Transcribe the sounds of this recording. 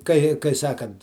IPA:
ˈkɐɪ kɐɪ ˈsɑːkɐnt

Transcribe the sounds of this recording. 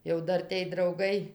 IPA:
jɛʊ ˈdɐr tʲeːj drɐʊˈɡɐɪ

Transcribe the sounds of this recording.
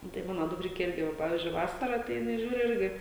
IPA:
ˈnʊ tɐɪ ˈmɑːnoː dʊkˈrʲɪkʲɛ ˈɪrʲɡʲɪ ˈʋɐ ˈpɑːʋʲiːzʲd͡ʒʲʊɪ ˈʋɑːsɐrɐ tɐɪ jɪˈnɐɪ ˈʒʲuːrʲʊ ˈɪrʲɡʲɪ

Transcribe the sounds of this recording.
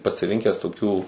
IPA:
pɐsʲɪˈrʲɪŋʲkʲɛs tʊˈkʲuː

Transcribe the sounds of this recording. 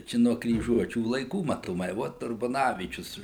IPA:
ˈt͡ʃʲɛ nuɔ krʲiːˈʒuɔt͡ʃʲuː lˠɐɪˈkuː mɐtoːˈmɐɪ ˈʋoːt ʊrbɐˈnɑːʋʲiːt͡ʃʲʊs

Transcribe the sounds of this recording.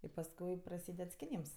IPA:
ɪ pɐsˈkʊɪ prɐˈsʲiːdʲɛt sʲkʲɪˈnʲiːms

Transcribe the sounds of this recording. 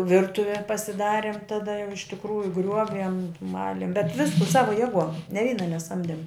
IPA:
ˈʋʲɪrtʊʋʲɛ pɐsʲɪˈdɑːrʲɪm tɐˈdɐ jɛʊ ɪʃ tʲɪkˈruːjʊ ˈɡrʲuɔʋʲiɛm ˈmɑːlʲɪm bʲɛt ˈʋʲɪskʊ ˈsɑːʋɐ ˈjeːˌɡuɔm nʲɛ ˈʋʲiːnɐ nʲɛˈsɐmʲdʲɛm

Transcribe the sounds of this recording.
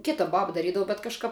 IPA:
ˈkʲɪtɐ ˈbɑːbɐ dɐˈrʲiːdɐʋʊ bʲɛt kɐʃˈkɐp

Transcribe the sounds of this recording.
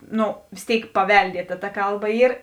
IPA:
ˈnʊ ʋʲeːs ˈtʲeːɪk pɐˈʋʲɛlʲdʲiɛtɐ tɐ ˈkɐlˠˌbɐ ˈiːr

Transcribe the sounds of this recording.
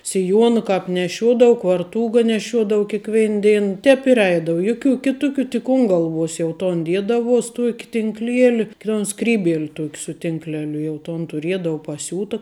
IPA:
sʲɪˈjuɔnɐ ˈkɑːp nʲɛˈʃʲuɔdɐʋʊ kʋɐrˈtuːɡɐ nʲɛˈʃʲuɔdɐʋʊ kʲeːˈkʋʲɛɪn ˈdʲɛɪn ˈtʲɛːp ɪr ˈɛɪdɐʋʊ ˈjʊˌkʲuː ˈkʲɪtʊˌkʲuː tʲɪk ʊn ˈɡɐlˠˌʋuɔs jɛʊ ˈtoːn ˈdʲiɛdɐʋuɔs ˈtuɔkʲɪ tʲɪŋkˈlʲiɛlʲɪ toːn ˈskrʲiːbʲiɛlʲ ˈtuɔkʲ sʊ tʲɪŋkˈlʲæːlʲʊ jɛʊ ˈtoːn tʊˈrʲiɛdɐʋʊ pɐˈsʲuːtɐ

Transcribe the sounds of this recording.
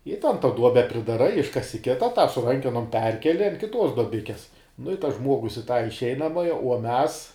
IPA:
ɪ tɐn tɐ ˈduɔbʲɛ pʲrʲɪdɐˈrɐɪ ˈɪʃkɐsʲɪ ˈkʲɪtɐ tɑː sʊ ˈrɐŋʲkʲɛnoːm ˈpʲɛrʲkʲɛlʲɪ ɐn kʲɪˈtoːs doːˈbʲɪkʲɛs nʊ ɪ tɐs ˈʒmuɔɡʊs ɪ tɐ ɪʃʲˈɛɪnɐmɐjɛ uɔ ˈmʲɛs

